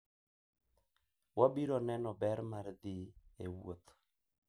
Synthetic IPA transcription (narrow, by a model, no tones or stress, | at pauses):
wabiɾɔnɛnɔbɛɾmard̪iewo̰t̪